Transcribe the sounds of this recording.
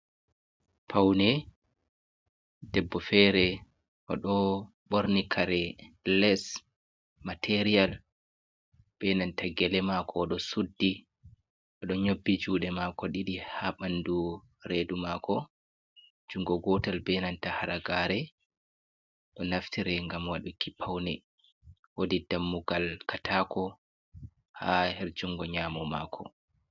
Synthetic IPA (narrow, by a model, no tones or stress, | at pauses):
pʰawnɛ | dɛbːɔfɛɾɛ | ʔɔ̰ɗɔ | ɓoɾnikʰaɾɛlɛs | matʰeɾial | b̥ɛnantaɡɛlɛmakʰɔɗɔsudːi | ʔɔɗɔɲobːid͡ʒuːɗɛmakɔɗiɗihaɓandu | ɾeːdumakɔ | d͡ʒuŋɡɔɡɔtalbɛnantahaɾaɡaɾɛ | ɗɔnaftiɾɛŋɡamwaɗukipʰːawnɛ | wodidamːuɡalkatʰaːkʰɔ | hahɛɾd͡ʒuŋɡɔɲaːmɔma̰ːkʰɔ̰